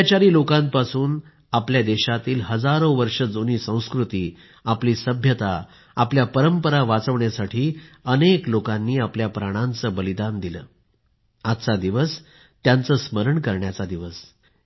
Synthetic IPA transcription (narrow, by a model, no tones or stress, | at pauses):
t͡ɕaɾiːlokãmpasuːn | apljad̪eɕat̪iːlɦəd͡zaɾoʋəɾʂəd͡zoniːsə̃w̃skɾut̪iː | apliːsəbʱjət̪a | apljapəɾəmpəɾaʋat͡səʋɳjasaʈʰiːəneklokanːiːapljapɾaɽ̃ãnt͡səːbəlid̪and̪ilə̰ː | at̪t͡sad̪iʋəs | t̪jant͡səːsməɾəɳkəɾɳjat͡sad̪iʋəs